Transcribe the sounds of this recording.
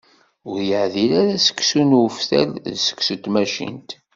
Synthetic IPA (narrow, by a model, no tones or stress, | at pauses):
ʊɾjəʕðilæɾæsə̥kːsunufθæ̰lðsə̥ksət̪mæʃḭnt̪